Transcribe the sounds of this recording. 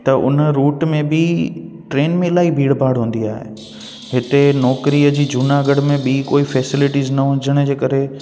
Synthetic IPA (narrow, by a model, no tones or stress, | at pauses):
t̪ɐʔʊ̰nəɾuːʈmẽbɪʈɾeːnmẽɪlaːibʱiːɽbʱaːɽɦũːn̆d̪iaːɦḛ | ɦɪt̪enɔːkɾiəd͡ʑiːd͡ʑunaɡəɽmẽɓikoːifɛːsɪlɪʈiznɐɦʊ̃ɲd͡ʑəɽ̃d͡ʑeːkɐɾe